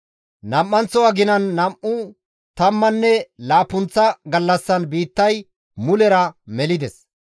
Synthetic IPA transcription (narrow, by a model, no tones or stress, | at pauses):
nɐmʔːɐnt͡sːɔwɐɡɪnɐnːɐmʔʊ | t̪ɐmːɐnːɛlaːpʊnt͡sːɐɡɐlːɐsːɐnbiːt̪ːɐj | mʊlɛɾɐmɛlɪd̪ɛs